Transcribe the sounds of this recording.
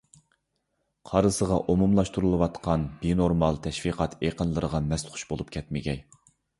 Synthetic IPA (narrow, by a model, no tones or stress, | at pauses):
qʰɑɾɨsəʁɑʔomumlˠɑʃt̪uɾulˠɨwɑt̪qʰɑnbinoɾmɑlˠt̪ʰɛʃfiqʰɑt̪ʰeqənlˠəɾəʁɑmɛst̪χʰʊ̥ʃbolˠup̚kʲʰɛt̪mɪɡʲɛj